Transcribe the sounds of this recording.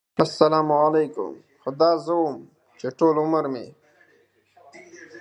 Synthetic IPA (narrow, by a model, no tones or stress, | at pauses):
asːɐlaːmalejkʊ̰m | xʊd̪aːzəwom | t͡ʃeʈoːlʊməɾmḛ